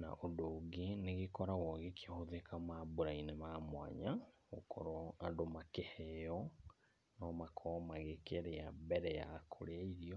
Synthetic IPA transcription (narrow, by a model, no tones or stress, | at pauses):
na̰ʔodoːɡeneɣekɔɾaɣɔɣekiahoðekamaboɾainemamwa̰ɲaɣokʰɔ̰ɾɔadomakehɛɔ | nɔmakʰɔmaɣekeɾeabɛɾɛja̰kʰo̰ɾaiɾiɔ